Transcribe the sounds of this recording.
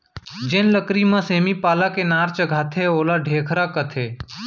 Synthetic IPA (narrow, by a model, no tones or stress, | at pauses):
d͡ʒɪnləkɾimãːseːmiːpaːlakeːnaːɾt͡ʃəɡʱaːt̪ʰeːoːlaːɖʱeːkʰɾaːkət̪ʰeː